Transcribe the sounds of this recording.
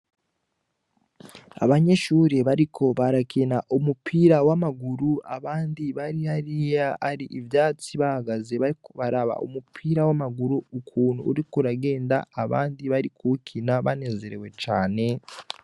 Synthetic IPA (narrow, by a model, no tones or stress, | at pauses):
a̰βaɲe̞ʃuːɾeβaɾikʰo̞βaɾakʰinaʔumupʰiːɾawamaɡuɾuaβaːndiβaɾihaɾijaaɾiʔivjaːt͡siβahaɡazeβaɾaβa̰ʔṵmupʰiːɾawamaɡuɾuukʰuːn̤̥uːɾikuɾaɡe̞ːndaːβa̰ːndiβaɾikʰukʰinaβane̞ze̞ɾewe̞t͡ʃaːne̞